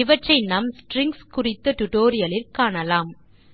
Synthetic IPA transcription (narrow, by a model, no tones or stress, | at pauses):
ɪʋɐʈrɐɪnɐmsʈɾɪŋɡskʊrɪt̪ːɐʈʊʈoːɾɪjɐlɪlkaːɳɐlaːm